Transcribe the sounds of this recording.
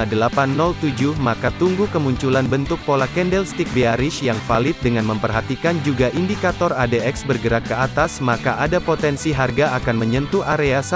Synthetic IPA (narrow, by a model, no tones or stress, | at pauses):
adəlapanːɔlt̪ud͡ʒuhmakat̪uŋɡukəmuɲt͡ʃulanbənt̪ʊk̚polakɛndɛlst̪ik̚beaɾɪʃjaŋfalɪt̪̚dəŋanməmpərɦat̪ikand͡ʒuɡaʔindikat̪ɔradeɛksbərɡəɾakːəat̪asmakaʔadapot̪ɛnsiɦarɡaakanməɲənt̪uaɾeasa